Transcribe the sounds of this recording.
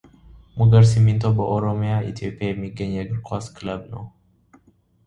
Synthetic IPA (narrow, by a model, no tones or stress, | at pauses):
mʊɡɐɾs̬ɪmːɪnt̪ʼɔbɐʔɔɾɔmɪjaːɪ̰t̪ioːpʼːɪjamːiɡɐɲɐɡɾkɔsklɐbnɔ